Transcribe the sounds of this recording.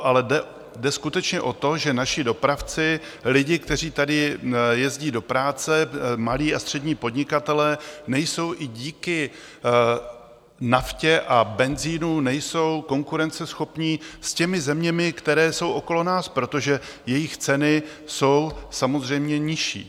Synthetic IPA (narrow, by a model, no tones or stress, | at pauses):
ʔalɛdɛ | dɛskut̪ɛt͡ʃɲɛʔo̞t̪o̞ʒɛnaʃɪdo̞pɾaft͡sɪ | lɪɟɪk̚t̪ɛr̝iːt̪adɪjɛzɟiːdo̞pɾaːt͡sɛmaliːast̪r̝̥ɛdɲiːpo̞dɲɪkat̪ɛlɛːnɛjso̞wʔɪɟiːkɪ | nafcɛʔabɛnziːnunɛjso̞wko̞ŋkuɾɛnt͡sɛsxo̞pɲiːscɛmɪzɛmɲɛmɪkt̪ɛɾɛːso̞wʔo̞ko̞lo̞naːspɾo̞t̪o̞ʒɛ | jɛjɪxt͡sɛnɪ | so̞wsamo̞zr̝ɛjmɲɛɲɪʃḭː